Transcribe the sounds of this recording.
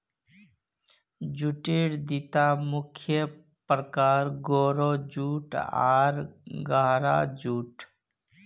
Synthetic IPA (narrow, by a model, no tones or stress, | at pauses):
d͡ʒuʈeːɽd̪it̪amʊkʰjə | pɾəkaːɾɡoːɾod͡ʒuːʈa̰ːɾɡaːɾa̰d͡ʒuːʈ